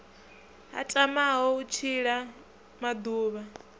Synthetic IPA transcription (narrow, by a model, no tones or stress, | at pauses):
ɦa̰tʼamaɦɔut͡ʃʰiɺa | mad̪uːβa